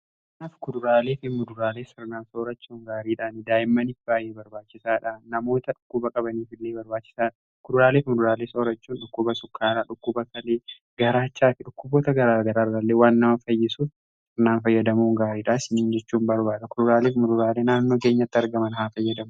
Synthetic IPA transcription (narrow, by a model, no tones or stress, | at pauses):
k | naːfkʊd̪ʊɾaːle̞ːfɪmʊd̪ʊɾaːle̞ːsɪɾnaːnsɐɔɾɐt͡ʃːuːŋɡaːɾiːᶑaːnɪd̪aːjɪmːɐnɪfɪbaːjeːbɐɾbaːt͡ʃːɪsaːᶑɐnɐmo̞ːt̪ɐᶑʊkːʊbɐkʼɐbɐniːfɪlːe̞ːbɐɾbaːt͡ʃːɪ̥saːᶑɐ | kʊd̪ʊɾaːleːfmʊd̪ʊɾaːleːsɐɔɾɐt͡ʃːuːnᶑʊkːʊbɐsʊkʰːaːɾaːᶑʊkːʊbɐkɐleː | ɡ̥ɐɾaːt͡ʃːaːt̪ɪᶑʊkːʊboːt̪ɐɡɐɾaːɡɐɾaːrːalːeːwaːnːɐmɐfɐjːɪsuːfs | ɪɾnaːnfɐjːɐd̪ɐmuːŋɡaːɾiːᶑaːsɪniːnd͡ʒɛt͡ʃːuːmbɐɾbaːᶑɐkʊd̪ʊɾaːleːfmʊd̪ʊɾaːleːnaːnːo̞ːke̞ːɲːɐt̪ːɪɐɾɡɐmɐnhaːfɐjːɐd̪ɐmʊ